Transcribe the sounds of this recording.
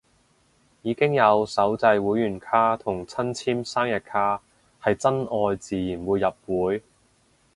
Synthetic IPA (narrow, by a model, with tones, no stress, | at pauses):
jiː˨˧kɪ˥ŋjɐ˨˧wsɐ˨˥wt͡sɐ˧jwuː˨˧˥jyː˨˩nkʰaː˥t̪ʰʊ˨˩ŋt͡sʰɐ˥nt͡sʰiː˥msaː˥ŋjɐ˨t̚kʰaː˥ | hɐ˨jt͡sɐ˥nʔɔː˧jt͡siː˨˧jiː˨˩nwuː˨˧jːɐ˨p̚wuː˨˥j